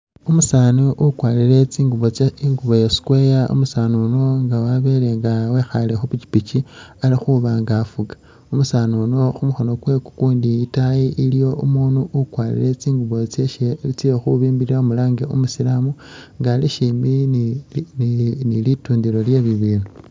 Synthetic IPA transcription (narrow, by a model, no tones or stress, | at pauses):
umusaːnuʔukwaːliɾe̞t͡siːŋɡuβoiŋɡuβo̞jesi̥kwe̞jaṵmusaːnuno̞ŋɡawaβele̞ŋɡawexalexupit͡ʃi̥pit͡ʃialixuβaŋɡafuɡḁ | umusaːnuno̞xumuxo̞no̞kwe̞ku̥kuːndiitajiʔilijo̞ʔumuːnuʔukwaːlḭɾe̞t͡siːŋɡuβo̞t͡seʃeit͡sijoxuβiːmbiiɾamulaːŋɡeumusilamu | ŋɡaliʃiminnnilituːndiɾo̞lje̞βiβiːnu